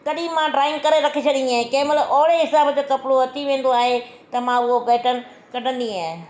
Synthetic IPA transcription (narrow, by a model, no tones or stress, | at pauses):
kɐɗĩmãːɖɾaːɪ̃ŋɡkɐɾeɾɐkʰet͡ɕʰɐɗĩaːɦẽkeːməlʔɔːɽeɦɪsaːbd͡ʑoːkɐpɪɽoɦɐt̪ʰiʋẽːn̆d̪oaːɦe | t̪ɐmãʊɦobɛːʈən̆ | kɐʈə̃nd̪iaːɦɪ